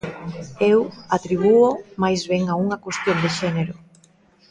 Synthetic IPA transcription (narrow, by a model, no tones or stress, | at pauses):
ewat̪ɾiβ̞uomajzβeŋauŋɐkwest̪jond̪eʃɛneɾʊ